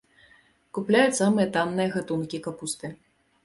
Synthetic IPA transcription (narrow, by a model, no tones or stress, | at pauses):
kuplʲajusamɨjɐt̪anːɨjɐɣat̪unkʲikapust̪ɨ